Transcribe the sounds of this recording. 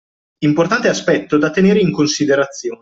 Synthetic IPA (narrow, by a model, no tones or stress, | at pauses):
import̪ant̪easpɛt̪ːod̪at̪ːeneːɾeiŋkonsid̪eɾat̪sːjoːne